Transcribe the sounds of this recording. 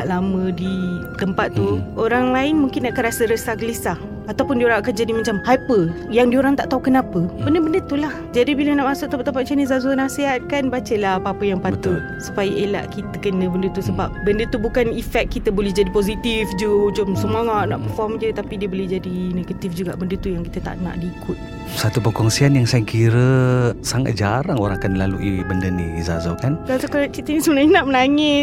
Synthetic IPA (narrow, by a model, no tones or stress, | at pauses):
naʔlamə̃dit̪əmpat̪t̪ːuoɾaŋlaɪnmuŋkɪnːaʔakanɾasəɾəsahɡələsah | at̪awpʊndioɾaŋakand͡ʒadimãt͡ʃamhapəjaŋdioɾaŋt̪aʔt̪aukənapəbəndəbəndət̪ulah | d͡ʒadibilənaʔmasʊkʔt̪əmpaʔt̪əmpat̪̚t͡ʃanizazuanaseɦat̪̚kanbat͡ʃəlahapaapəjaŋpat̪ʊt̪̚su̥pajəʔela̰ʔkit̪əkənə̃bəndət̪usəbap̚bəndət̪ubukanifɛkt̪̚kit̪əbolɛhd͡ʒadipozit̪ifd͡ʒut͡ʃʊmsəmoŋana̰ʔpərfɔmd͡ʒət̪apidiəbolɛhd͡ʒadineɡət̪ifd͡ʒuɡa̰ʔbəndət̪ujaŋkit̪ət̪a̰ʔna̰ʔdiikʊt̪̚ | sat̪upəkɔŋsianjaŋsajəkʰiɾəsaŋa̰t̪̚d͡ʒaɾaŋoɾãŋakanlaluʔibəndənḭiza̰zakankaukat͡ʃit̪ənisəmənaɲənaʔməlaŋɪt̪̚